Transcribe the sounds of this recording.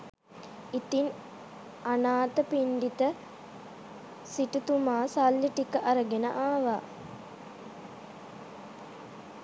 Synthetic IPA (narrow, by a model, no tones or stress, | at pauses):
it̪in | anaːt̪əpiɳɖit̪ə | siʈut̪umaːsalːiʈikəʔaɾəɡenə̰ʔaːʋa̰ː